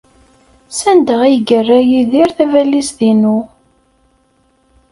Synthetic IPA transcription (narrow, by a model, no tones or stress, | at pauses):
sænd̪əʁijɡərːæjiðiɾθævælːisðinu